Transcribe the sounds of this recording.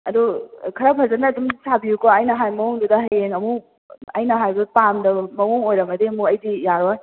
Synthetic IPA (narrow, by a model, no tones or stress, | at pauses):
ɐdukʰɐɾapʰɐzandaːdumsabijukɔajnɐɦajmɐwoŋdudɐɦɐjeŋɐmu | ɐjnɐɦajbɐpamdɐmɐwoŋojɾɐmɐdemuɐjdijaɾɔj